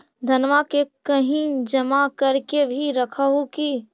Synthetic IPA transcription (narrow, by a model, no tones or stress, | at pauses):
d̪ʱənʋakekəɦĩd͡ʒəmakəɾkebʱiɾəkʰəɦoki